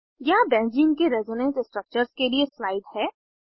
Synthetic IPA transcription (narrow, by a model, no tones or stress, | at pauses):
jabɛ̃ːnd͡ʒɪ̃ŋkeɾɛzɔnə̃nsɪsʈɾək̚t͡ʃəɾzkelieslaːɪd̪hɛː